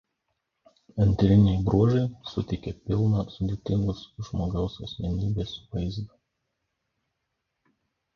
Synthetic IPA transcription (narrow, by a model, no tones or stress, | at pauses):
ɐnʲt̪ʲɾʲɪnʲɛɪbɾuɔʒɐɪsʊt̪ʲɛkʲɛpʲɪlˠnɐsʊd̪ʲeːt̪ʲɪŋɡʊsʒmoːɡɐʊsɐsʲmʲɛnʲiːbʲeːsʋɐɪzd̪ɐ